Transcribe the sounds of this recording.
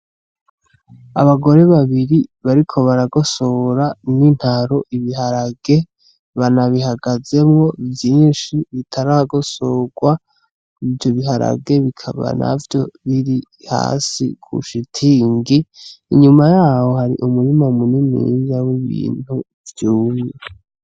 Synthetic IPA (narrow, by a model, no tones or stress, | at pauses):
a̰βaɡo̞ɾe̞βaβiɾiβaɾikʰo̞βaɾaɡo̞soɾanin̥haɾo̞ʔiβiɦaɾaɡe̞ | βanaβiɦaɡaze̞mŋo̞vjiːnʃiβitʰaɾahaɡo̞soɡwa | ivjoβiɦaɾa̰ɡe̞βikʰaβa̰na̰vjo̞βiɾi | ha̰ːsḭkʰṵʃitʰiːŋɡiːɲumajaːho̞haɾḭʔumuɾimaumunimḭzawiβḭːn̥hu | vjuːjo